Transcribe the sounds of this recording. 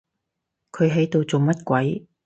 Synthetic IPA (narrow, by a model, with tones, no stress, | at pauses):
kʰɵ˨˧ɥɦe˨˥jt̪o˨wt͡so˨wmɐ˥t̚kʷɐ˨˥j